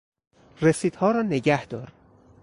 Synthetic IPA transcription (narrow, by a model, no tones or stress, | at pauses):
resiːd̪̥hɒːɾɒːneɟæhd̪̥ɒːɾ